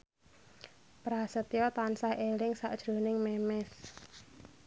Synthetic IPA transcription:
pɾasət̪jɔt̪ansahʔelɪŋsa̰ʔd̥ʒ̥ɾo̤nɪŋmɛmɛs

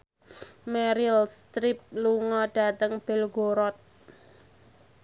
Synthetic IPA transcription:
mɛɾilst̪ɾip̚luŋɔɖ̥a̤t̪əŋb̥ɛ̤lɡoɾɔt̪̚

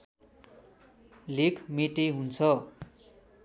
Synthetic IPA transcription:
lekʰmeʈeɦunt͡sʰʌ

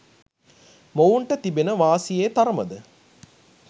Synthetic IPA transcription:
mowuɳʈɐt̪ibenəʋaːsijeːt̪ɐɾɐmɐ̰d̪ə

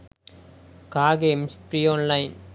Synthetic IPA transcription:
kaːɡeːmspɾiːoːnlɐɪn

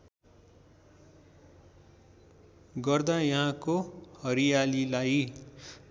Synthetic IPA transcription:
ɡʌrd̪ajʌɦãkohʌɾijalilaj

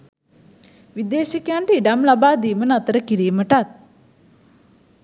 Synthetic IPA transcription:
ʋid̪eːʃəkejaɳʈəiɖamlabaːd̪iːmənat̪əɾəkiɾiːməʈat̪̚

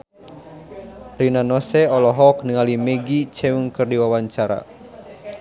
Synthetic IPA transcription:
rinanɔsɛɔlɔɦɔk̚nəŋalimɛɡit͡ʃɛuŋkɨrdiwawaɲt͡ʃaɾa̰

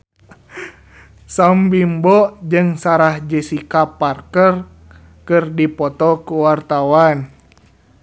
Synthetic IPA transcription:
sambimbɔd͡ʒɨŋsaɾahd͡ʒəsikaparkər | kɨrdipɔt̪ɔkuwart̪awan

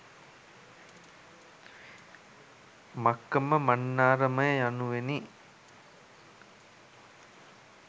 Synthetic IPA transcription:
makːəməmanːaːɾəməjəjanuʋeni

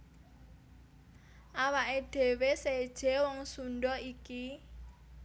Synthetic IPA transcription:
ʔawaʔeɖ̥e̤wesed̥ʒ̥e̤wɔŋsunɖɔiki

